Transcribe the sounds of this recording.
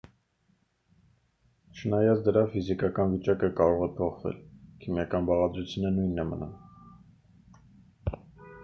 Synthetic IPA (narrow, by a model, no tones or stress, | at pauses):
t͡ʃʰənɑjɑt͡sʰd̪əɾɑfizikɑkɑnvit͡ʃɑkəkɑɾɔʁɛpʰɔχvɛ̰lkʰimjɑkɑnbɑʁɑd̪ɾut͡sʰjunənujnːɛmənṵn